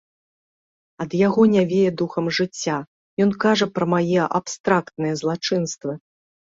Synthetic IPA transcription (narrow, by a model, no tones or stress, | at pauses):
ɐd̪jaɣɔnʲavʲejɛd̪uxɐmʐɨt͡sʲːa | jɔnkaʐɐpɾɐmajɛʔa̰pst̪ɾakt̪nɨjɐzlˠat͡ʂɨnst̪vɨ